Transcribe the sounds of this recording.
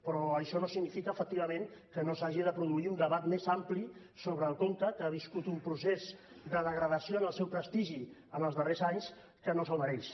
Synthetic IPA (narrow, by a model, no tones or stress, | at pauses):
pɾɔəʃɔnosiɡnifikəːfək̚t̪iβ̞əmẽŋkənosaʒiðəpɾuðuiund̪əβat̪mezampli | soβɾəːlˠkont̪əkəaβiskut̪umpɾusez | d̪əðəɣɾəðəsioənəlˠsɛwpɾəst̪iʒiənəlˠzðərezaɲs | kənosəlməɾɛs